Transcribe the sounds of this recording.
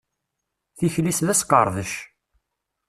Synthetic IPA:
θiçlisðæsqə̰ɾˤðəʃ

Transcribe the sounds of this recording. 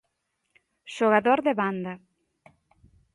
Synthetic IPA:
ʃoɣaðoɾðeβand̪ɐ

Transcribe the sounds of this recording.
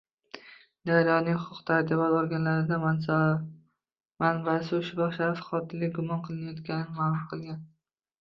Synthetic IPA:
d̪aɾjɒnɪŋhʊqʰʊqt̪ʰaɾt̪ɪbɒt̪oɾɡʲanlaɾɪd̪a | manbasɪʊʃʊbɒχʃaɾfχɒt̪ʰɪlɪɡʊmɒnqʰɨlˠɪnajɒt̪kʲanɪnɪmaːlˠʊmqʰɨlˠɡʲan

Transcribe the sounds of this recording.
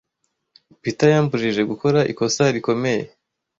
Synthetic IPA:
pitajaːmbuɾiʒe̞ɡuko̞ɾaʔḭko̞saɾiko̞me̞je̞

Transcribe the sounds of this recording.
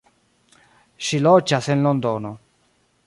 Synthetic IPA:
ʃilɔt͡ʃːasenlond̪ɔːno

